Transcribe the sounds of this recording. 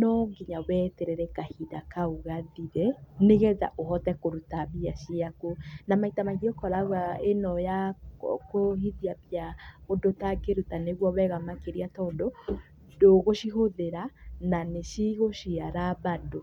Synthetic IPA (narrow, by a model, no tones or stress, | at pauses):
nɔɡiɲawɛːtɛɾɛɾɛkahiðakauɣaðiɾɛneɣɛza̰ʔoɦɔtɛkoɾutaβiaʃiakunamaitamaiɣiɔkɔɾaɣwaenɔjakohiðiaβjaodotaɡeɾutaneɣwɔβɛɣamakeɾiatɔdo | doɣoʃiɦoðeɾananeʃiɣoʃiaɾaβado